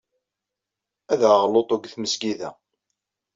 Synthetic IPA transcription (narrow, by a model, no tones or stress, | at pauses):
æðəʁlot̪ˤoɡθməsɡiðæ̰